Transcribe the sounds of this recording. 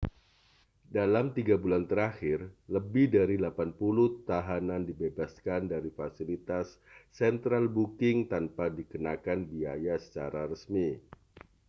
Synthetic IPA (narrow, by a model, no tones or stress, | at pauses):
dalamt̪iɡabulant̪əɾaxɪrləbɪhdaɾilapanpuluht̪aɦanandibebaskandaɾifasilit̪asːɛnt̪ɾalbukɪŋt̪anpadikənakanbia̰jasə̥t͡ʃa̰ɾaɾəsmi